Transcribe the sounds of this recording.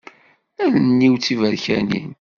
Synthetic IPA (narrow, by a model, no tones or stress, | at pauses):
ælnːiwt͡sːivæɾçænḭn